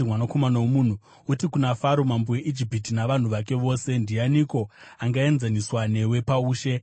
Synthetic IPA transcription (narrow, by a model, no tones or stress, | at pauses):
mwanako̞manawomun̤u | utikunafaɾomamboje̞ʔid͡ʒipitinaʋan̤uʋak̬e̞ʋo̞ːse̞ndianiko̞aŋɡae̞nzaniswane̞we̞pauːʃe̞